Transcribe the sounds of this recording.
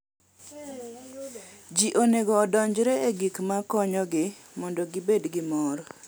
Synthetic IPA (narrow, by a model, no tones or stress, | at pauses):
d͡ʒiʔoneɡɔːdɔɲd͡ʒɾɛeɡikmakɔɲɔɡɪ | mɔndɔɡɪbedɡɪmɔɾ